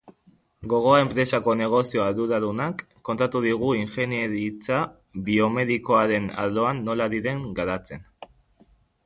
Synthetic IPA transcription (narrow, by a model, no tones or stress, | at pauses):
ɡo̞ɣ̞o̞ae̞mpɾe̞sako̞ne̞ɣ̞o̞sio̞alðuɾaɾunakːo̞nt̪at̪uð̞iɣ̞uiɱfeneɾit͡sa | βio̞me̞ðiko̞aɾe̞na̰ðlo̞anːo̞laðiɾe̞ŋɡaɾat͡se̞n